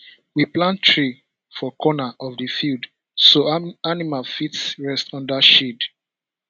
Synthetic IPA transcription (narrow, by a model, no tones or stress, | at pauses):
wiplãntɹi | fɔkʰɔnaʔɔvdəfild | soanimalfitsɹɛstɔ̃ndaʃid